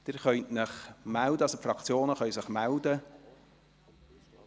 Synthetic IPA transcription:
d̥ɪɾχœʏtnəχmældəɑsofrɾɑkt͡sjoːnəχœʏsəχmældə

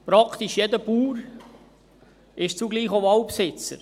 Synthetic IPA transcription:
pɾɑkt̪iʃjɛd̪əpuːɾ | ɪʃt͡suɡliːχoɑwpsɪt͡sə̰ɾ

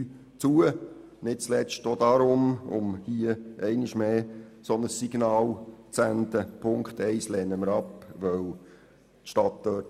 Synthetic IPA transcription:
t͡suə | nɪt̚t͡slɛt͡ʃtod̪ɑɾʊmʊ̰mhiəʔɛɪnɪʃmeːsɔnəsːiɡ̥nɑːlt͡sænd̪əpʰʊŋktɛɪslɛːnːəməɾɑpʋœw | t̪ʃtɑt̪d̥œːt

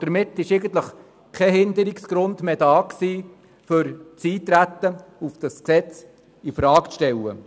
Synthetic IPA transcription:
d̪̥əɾmɪt̪ːɪʃeɪɡən̩t̪ləχ | kʰɛɦɪnd̪əɾiksɡ̥ɾʊnd̪med̥ɑːksiː | fʏɾt͡siːt̪ɾæt̪ːəufd̥ɑsksɛt͡s | ifɾɑːkt͡sʃtɛlːə̰

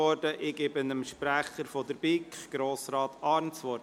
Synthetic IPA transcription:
ɔɾd̥əʔɪɡ̥ɪbənəmʃpɾæχəɾfɔd̪əɾbɪkχɡ̥ɾoːsɾɑːt̪ʰɑːɾnsʋɔɾ

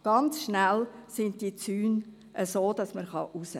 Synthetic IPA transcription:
ɡ̥ɑnt͡sʃnælsɪntd̥it͡syːn | ʔəsoːd̥ɑsməχɑ̰ʔusə

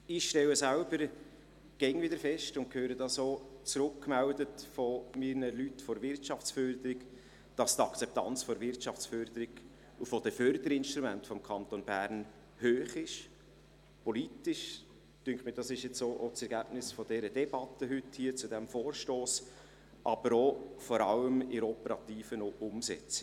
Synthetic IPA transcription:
ɪχʃtɛləsælbəɾ | ɡ̥ɛŋvɪdəɾfɛʃtʊnt̚kʰhøːɾədɑsoːt͡sɾʊkːmældətfɔminəlytfɔɾvɪrtt͡ʃɑft͡sfœɾd̪əɾɪɡ | d̥ɑst̪ɑkt͡sɛp̚t̪ɑ̰nt͡sfɔɾvɪɾtʃɑft͡sfœɾd̥̪əɾɪɡ | ufod̥ɛfœɾd̪əɾɪnʃtɾumæntfɔmkʰɑnt̪onb̥æːɾn | høːχɪʃ | pɔliːtɪʃ | tyŋχmiːd̥ɑsɪʃjɛt͡soːʔot͡sɛɾɡæb̥nɪsfɔd̥ɛɾəd̥ɛb̥ɑt̪ːəɦʏthiːt͡sudɛmfoːrʃtoːs | ʔɑb̥əɾofɔɾɑləmɪɾɔpəɾɑt̪iːfənoʔʊmsɛ̰t͡s

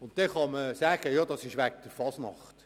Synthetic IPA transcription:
ʊntd̥ɛχɑməsæːɡ̥əjɑːd̥ɑsɪʃʋæɡ̚d̥əɾfɑsnɑ̰χt

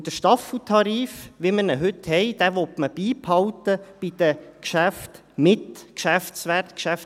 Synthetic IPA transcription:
d̥̪əʃtɑfl̩t̪ʰɑɾiːfʋɪmənəɦɵt̪hɛɪd̥̪æʋɔtməb̥iːphɑwt̪əb̥id̪̥əkʃæft | mɪt̪kʃæfsʋært̪kʃæf

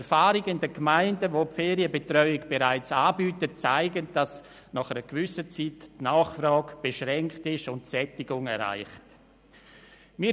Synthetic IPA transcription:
ɛɾfaːɾiɡəɪndəkmaɪndəvopfeːɾiəbetɾœʏɪɡb̥eɾaɪt͡saːbyːtətt͡saɪɡənd̥as | nɑχɛɾəɡ̥vʏsət͡sitːnaːχfrɑːɡb̥eʃɾɛŋktɪʃʊntsɛtɪɡʊŋɛɾa̰ɪχt | miː

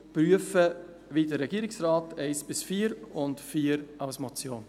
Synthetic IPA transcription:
pɾyəfə | vidəɾːɛɡiːɾɪksrɑːtɛɪsb̥ɪsfiːɾʊntfiːɾaʊsmɔt͡sjoːn

